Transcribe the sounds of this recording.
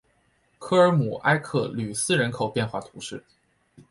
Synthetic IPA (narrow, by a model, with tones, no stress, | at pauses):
kʰɤ˥ə˞˧˥mu˨˩ʔa˥ɪkʰɤ˥˩ly˨˩sɹ̩˥˩ɻə˧˥nkʰo˨˩ʊpjɛ˥˧nxwa̰˥˩t̪ʰu˧˥ʂɻ̩˥˩